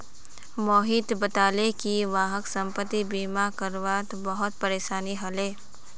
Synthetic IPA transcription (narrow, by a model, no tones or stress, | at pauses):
moːɦɪt̪bət̪aːlekiʋaːɦəksə̃mpət̪ːibiːmakəɾʋaːt̪bəɦʊt̪̚pəɾeːʃaːniɦɐleː